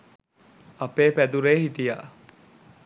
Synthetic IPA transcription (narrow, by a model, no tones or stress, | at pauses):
ɐpeːpæd̪uɾeːhiʈ̪ija̰ʔ